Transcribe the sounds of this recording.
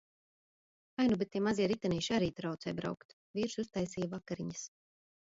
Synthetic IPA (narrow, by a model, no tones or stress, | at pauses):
ajnubet̪̚ːiɛmaziɛɾit̪aniːʃaɾiːt̪ɾawt̪sɛjbɾa̰wkt̪ | viːɾsust̪ajsiːjvakaɾiɲɐs